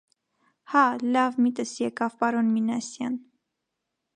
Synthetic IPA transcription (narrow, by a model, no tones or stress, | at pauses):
hɑlɑvmit̪əsjɛkɑvpɑɾɔnminɑsjɑn